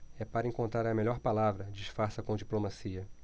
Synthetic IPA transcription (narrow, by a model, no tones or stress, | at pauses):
ɛpaɾɐẽŋkõnt̪ɾaɾɐmeʎɔɾpalavɾɐd͡ʒiʃfaɾsɐkõd͡ʒiplomasiɐ